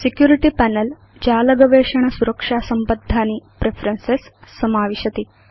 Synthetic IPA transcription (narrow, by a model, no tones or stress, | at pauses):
sikjuːɾiʈipæːnel | d͡ʒaːlɐɡɐʋeːʂɐɳ̃ɐsuɾɐkʂaːsɐmpɐd̪ʱːaːnipɾepʰɐɾɐnsesːɐmaːʋiʃɐt̪i